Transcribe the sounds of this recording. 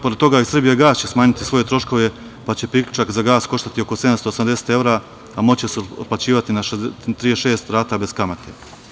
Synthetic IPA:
po̞ɾed̪t̪ːo̞ɡaːisr̩bijeɡaːst͡ɕesmaːɲit̪isʋo̞je̞t̪ɾo̞ʃko̞ʋe̞ | pat͡ɕe̞pɾiklʲʎut͡ʃakzaɡaːsko̞ʃt̪at̪io̞koseamst̪o̞ːsamd̪ese̥t̪e̞ʋɾa | amo̞t͡ɕesplˠat͡ɕiːʋat̪inat̪ɾieʃe̞ːst̪ɾaːt̪abe̞zkamat̪ʰe

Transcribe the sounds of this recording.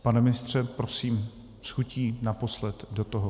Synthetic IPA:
panɛmɪnɪst̪r̝̥ɛpɾosiːm | sxuciːnapo̞slɛt̪do̞t̪oɦo

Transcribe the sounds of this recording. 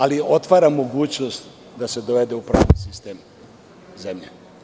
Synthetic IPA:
alio̞t̪ʋaːɾamːo̞ɡuːt͡ɕnost̪ | d̪ased̪oʋe̞d̪e̞upɾa̰ːʋnisist̪e̞ːm | zemʎe

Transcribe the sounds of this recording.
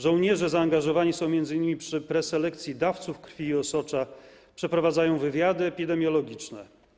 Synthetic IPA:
ʐɔw̃ɲɛʐɛzaːŋɡaʐɔvaɲisɔ̃w̃mjɛnd̪zɘɲːimʲipʂɘpɾɛsɛlɛkt̪sʲjid̪aft̪sufkɾfʲiːɔsɔt͡ʂa | pʂɛpɾɔvad̪zajɔ̃w̃vɘvʲjad̪ɘɛpʲid̪ɛmʲjɔlɔɡʲit͡ʂnɛ

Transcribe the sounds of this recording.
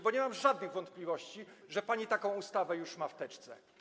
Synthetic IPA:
bɔɲɛmamʐad̪nɘɣvɔnt̪̚plʲivɔɕt͡ɕiʐɛpaɲit̪akɔ̃w̃ust̪avɛjuʂmaft̪ɛt͡ʂt̪sɛ̰

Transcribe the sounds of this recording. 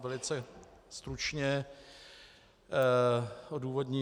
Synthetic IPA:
vɛlɪt͡sɛst̪ɾut͡ʃɲɛ | ʔoduːvo̞dɲi

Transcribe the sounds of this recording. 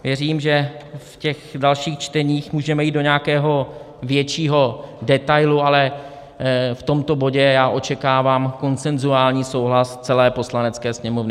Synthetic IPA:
vjɛriːmʒɛfcɛxdalʃiːxt͡ʃt̪ɛɲiːxmuːʒɛmɛjiːd̪do̞ɲɛakɛːɦo̞ | vjɛt͡ʃiːɦo̞dɛt̪ajlualɛ | ft̪o̞mt̪o̞bo̞ɟɛjaːʔo̞t͡ʃɛkaːvaːmko̞nt͡sɛnzuaːlɲiːso̞wɦlast͡sɛlɛːpo̞slanɛt͡skɛːsɲɛmovnɪ

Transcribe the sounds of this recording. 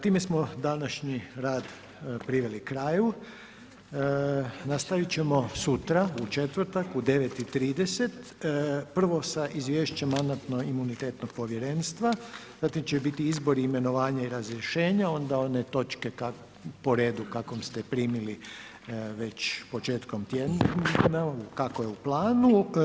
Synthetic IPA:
t̪iːme̞smo̞d̪anaʃɲiɾaːd̪ | pɾiʋe̞likɾaːju | nast̪aʋit͡ɕe̞mo̞sut̪ɾaut͡ʃe̞t̪ʋr̩t̪akud̪e̞ʋet̪it̪ɾiːd̪ese̞t̪pr̩ʋo̞saʔizʋjeːʃt͡ʃemːand̪at̪noimunit̪eːt̪no̞ɡ̥̚po̞ʋjeɾe̞nst̪ʋaz̥aːt̪imt͡ɕebit̪iizbo̞ɾiːme̞no̞ʋaːɲaiɾazɾjeʃe̞ːɲao̞nd̪ao̞net̪o̞t͡ʃke̞ka | po̞ɾe̞ːd̪ukakomst̪epɾiːmili | ʋe̞t͡ɕpo̞t͡ʃe̞ːt̪ko̞mt̪jednakakojeuplˠaːnu

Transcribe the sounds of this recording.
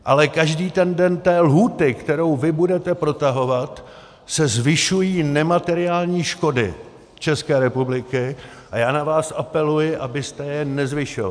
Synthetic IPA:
ʔalɛkaʒdiːt̪ɛndɛnt̪ɛːlɦuːt̪ɪkt̪ɛɾowvɪbudɛt̪ɛpɾo̞t̪aɦo̞vat̪ | sɛzvɪʃujiːnɛmat̪ɛɾɪaːlɲiːʃko̞dɪ̰ | t͡ʃɛskɛːɾɛpublɪkɪ | ʔajaːnavaːsʔapɛlujɪʔabɪst̪ɛjɛnɛzvɪʃova̰

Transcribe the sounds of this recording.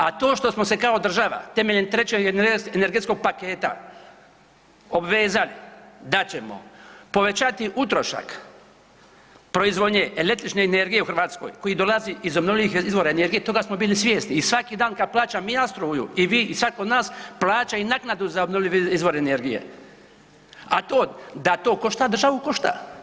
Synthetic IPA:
at̪o̞ːʃt̪o̞smo̞se̞kaod̪r̩ʒaʋa̰t̪e̞me̞ʎent̪ɾe̞t͡ɕeɡeneɾɡe̞t̪sko̞ɡ̚pake̞ːt̪a̰ | obʋeːzalid̪at͡ɕe̞mo̞̰po̞ʋe̞t͡ʃat̪iʔut̪ɾo̞ʃa̰k | pɾoizʋod̪ɲe̞ʔele̞k̚t̪ɾit͡ʃne̞ːne̞ɾɡije̞uxrɾʋaːt̪sko̞̰jko̞jid̪o̞laziʔizobnolʲiʋixizʋo̞ɾaene̞ɾɡijet̪o̞ɡasmo̞biːlisʋʲje̞ːst̪iːsʋakid̪aːnkad̪̚plˠaːt͡ʃamiast̪ɾuːjṵiʋiːʔisʋakod̪naːsplˠaːt͡ʃainaknad̪uzaobnoʋlʲiʋizʋo̞ɾene̞ɾɡije̞̰ | at̪o̞ːd̪at̪o̞ːkoʃt̪ad̪rʒaʋukoʃt̪a̰

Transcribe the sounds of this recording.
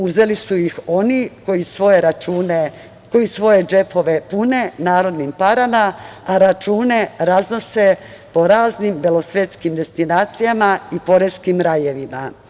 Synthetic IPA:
uze̞lisuixo̞nikojisʋo̞jeɾauːne | ko̞jisʋo̞je̞d͡ʒe̞po̞ʋe̞pune̞naːɾo̞d̪nimpaɾamaaɾat͡ʃuːne̞ɾazno̞se̞po̞ɾaːznimbelo̞sʋe̞t̪skimd̪e̞st̪inaːt̪sijamaipo̞ɾe̞skimɾaje̞ʋima̰

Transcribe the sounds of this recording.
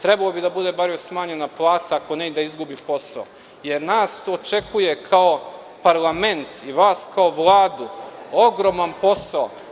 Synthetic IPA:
t̪ɾebalobid̪abud̪e̞baɾjesmaːɲe̞naplˠaːt̪aako̞ned̪aizɡubipo̞sa̰o̰ | je̞ɾnaːsot͡ʃe̞kʰuje̞kʰao̞ | paɾlˠament̪iʋaːskao̞ʋlˠaːd̪uoɡɾo̞manpo̞sao

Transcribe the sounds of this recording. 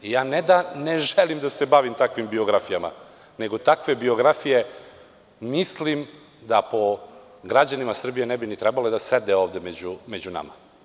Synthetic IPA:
jaːnɛd̪aneʒelimd̪asebaʋimt̪akʋimbio̞ɡɾafijama̰ | neɡo̞t̪akʋe̞bio̞ɡɾafije | mislim | d̪apo̞ | ɡɾad͡ʑanimasr̩bijenebinit̪ɾɛbaled̪ased̪eo̞ːʋd̪e̞med͡ʑumed͡ʑuna̰ma̰

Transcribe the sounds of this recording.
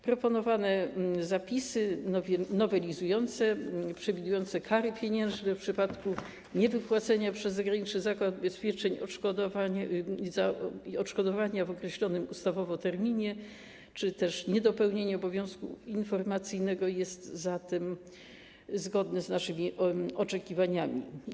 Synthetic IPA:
pɾɔpɔnɔvanɛzapʲisɘnɔvɛlʲizujɔnt̪sɛpʂɛvʲid̪ujɔnt̪sɛkʰaɾɘpʲjeɲɛ̃ʐnɛfpʂɘpat̪ku | ɲɛvɘpwat̪sɛɲapʂɛzːɔɡɾaɲit͡ʂnɘzakwad̪bɛspʲjɛt͡ʂɛɲɔʂkɔd̪ɔvazaɔʂkɔd̪ɔvaɲavɔkɾɛɕlɔnɘmust̪avɔvɔt̪ɛɾmʲiɲɛ | t͡ʂɘt̪ɛʂɲɛd̪ɔpɛwɲeɲɛɔbɔvʲjɔ̃w̃skṵinfɔɾmat̪sɘjnɛɡɔjɛst̪zat̪ɛm | zɡɔd̪nɛznaʂɘmʲiɔt͡ʂɛkʲivaɲamʲḭ

